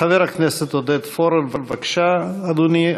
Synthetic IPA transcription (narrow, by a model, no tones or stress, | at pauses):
aveɾhakneset̪od̪et̪foɾemvalvakʃaːd̪uni